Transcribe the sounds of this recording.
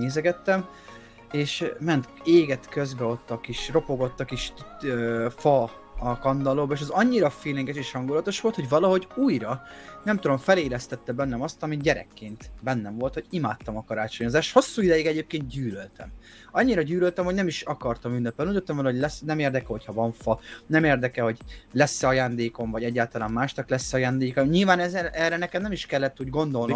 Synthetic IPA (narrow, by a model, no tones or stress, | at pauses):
eːzɛɡɛt̪ːɛm | eːʃmɛnt̪eːɡɛt̪køzbɛo̞t̪ːɒkiʃro̞po̞ɡo̞t̪ːɒkiʃøfɒ | ɒkɒnd̪ɒloːbɒeːʃ̬ɛzɒɲːiɾɒfiːlɛŋɡɛʃeːʃhɒŋɡulɒt̪o̞ʃʋo̞lt̪hoɟvɒlɒɦo̞ɟuːjɾɒnɛmt̪ud̪o̞ɱfɛleːlɛst̪ɛt̪ːɛbɛnːɛmɒst̪ɒmiɟɛɾɛ̰kːeːnt̪bɛnːɛɱvo̞lt̪ho̞ɟimaːt̪ːɒmɒkɒɾaːt͡ʃo̞ɲo̞zaːʃt̪ho̞sːuːid̪ɛjiɡɛɟeːp̚keːnt̪̚ɟyːlølt̪ɛ̰m | ɒɲːiɾɒɟyːlølt̪ɛmho̞ɟnɛmiʃɒkɒrt̪ɒmynːɛpɛliuot̪ːɛmvɒloɟlɛsnɛmeːrd̪ɛkɛɦo̞cʰhɒvɒɱfɒnɛmeːrd̪ɛkɛho̞ɟlɛsːɛɒjaːnd̪eːko̞mvɒɟɛɟːaːlt̪ɒlaːmmaːʃtɒklɛsːɛɒjaːnd̪eːkɒɲilvaːnɛzɛrɛnɛkɛmnɛmiʃkɛlːɛt̪ːuːɟɡo̞nd̪o̞lno